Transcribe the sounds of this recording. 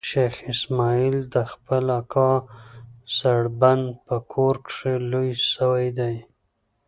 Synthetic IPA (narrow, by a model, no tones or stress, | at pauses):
ʃexɪsmɑild̪əxpəlakʰɑ | saɽband̪pəkʰoɾkʂelojsəwajd̪aj